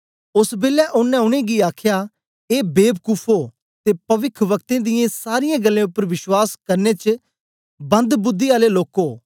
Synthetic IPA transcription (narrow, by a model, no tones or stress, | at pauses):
ʊsbeːlːɛʔʊnːɛ̃ʊñẽːɡiaːkʰjaː | eːbeːb̚kʊpʰoː | t̪eːpɐʋɪkʰʋəkt̪ẽːd̪ɪjẽsaːɾɪjãɡəlːẽːʊpːəɾʋɪʃwaːskɐɾnet͡ʃ | bə̃nd̪bʊd̪ːiaːleloːkoː